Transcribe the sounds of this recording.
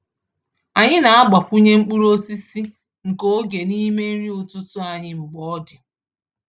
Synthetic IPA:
a˨ɲɪ˦na˨a˦ɡ͡ba˨pu˦ɲe˦ŋ͡m̩˦k͡pu˦ɾo˦si˦si˦ | ŋ̩˨ko˦ɡe˨ni˦me˦n̩˦ɾi˦ʊ˨tu˦tʊ˦a˨ɲɪ˦m̩˨ɡ͡bɔ˦ɔ˦dɪ˨

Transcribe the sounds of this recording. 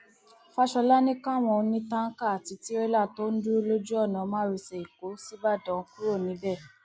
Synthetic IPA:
fa˦ʃɔ˧la˦nĩ˦kã˦˨w̃ɔ̃˧o˧nĩ˦tã˦ŋ̩˦ka˦˨a˨ti˨˧˦ti˨˦ɾe˦la˦˨to˦n̩˦du˦lo˦d͡ʒu˦ɔ˦˨nã˨˧˦mãː˦ɾi˧sɛ˨i˨ko˨˦si˦ba˦˨dɔ̃˨˦ku˦ɾo˦˨nĩ˨˦bɛ˦˨

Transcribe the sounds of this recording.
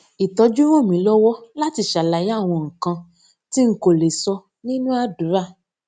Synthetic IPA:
i˨tɔ˧˦d͡ʒu˦ɾ̃õ˦˨mĩ˨˦lɔ˦wɔ˦la˦ti˧ʃa˨la˨˦ja˦˨w̃ɔ̃˧ŋ̩˨kã˧ | ti˦ŋ̩˦ko˦˨le˨sɔ˧ | nĩ˦nũ˦a˦du˨˦ɾa˦˨

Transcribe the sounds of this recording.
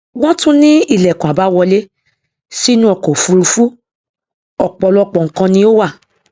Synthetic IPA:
w̃ɔ̃˦tũ˦nĩ˦i˦˨lɛ˨kũ˨a˨ba˨˦wɔ˧le˦ | si˦nũ˦ɔ˨ko˨fũ˧˦ɾu˧fu˦ | ɔ˦˨k͡pɔ˨˧lɔ˦k͡pɔ˨ŋ̩˨˦kã˧nĩ˧o˦wa˦˨

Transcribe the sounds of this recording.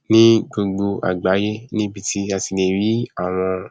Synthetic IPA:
nĩ˦ɡ͡bo˧ɡ͡bo˧ʔa̰˨ɡ͡ba˨˦je˦nĩ˦bi˧tʰi˦a˧ti˨˧ne˨ɾi˨˦a˦˨w̃ɔ̃˧

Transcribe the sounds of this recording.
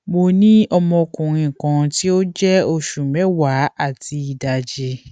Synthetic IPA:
mo˧˨nĩ˦ɔ˧mɔ̃˧kũ˨ɾ̃ĩ˧˨kã˨˧ti˦o˦d͡ʒɛ˦o˧ʃu˨mɛ˨˦wa˨˦a˦˨ti˧i˨da˨d͡ʒe˧˦

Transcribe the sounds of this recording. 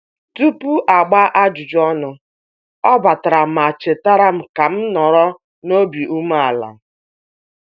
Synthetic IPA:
tu˦pu˦ʔa˨ɡ͡ba˦ʔa˦d͡ʒu˨d͡ʒɔ˦nʊ˨ | ɔ˦ba˨ta˨ɾa˨m̩˨a˨t͡ʃe˨ta˦ɾa˦m̩˨ka˨m̩˦nɔ˨ɾɔ˦ | no˦bi˨ʔu˦m˦a˨la̰˨

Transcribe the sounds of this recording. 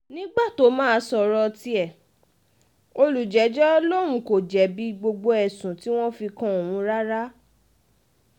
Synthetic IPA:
nĩ˦ɡ͡ba˦˨to˨˦mãː˦˧sɔ˧˨ɾɔ˧ti˧˦ɛ˦˨ | o˧lu˨d͡ʒɛ˨˦d͡ʒɛ˦lo˦ɾ̃ũ˧˦ko˨d͡ʒɛ˨bi˦ɡ͡bo˧ɡ͡bo˧ɛ˨sũ˨ti˦w̃ɔ̃˦fi˧kã˧o˨w̃ũ˨˦ɾa˦ɾa˦

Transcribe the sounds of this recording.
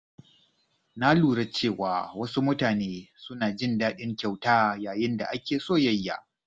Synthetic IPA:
na˦luː˨ɽɐ˦t͡ʃeː˦˨waː˨wɐ˦su˦mʊ˦taː˨neː˦sʊ˦naː˨d͡ʒɪ˦˨ndaː˦ɗɪ˦ŋkʲa˨wtaː˦jaː˨jɪ˦nda̰˨ʔa˦kʲeː˨soː˦˨jɐ˦jːa̰˨ʔ

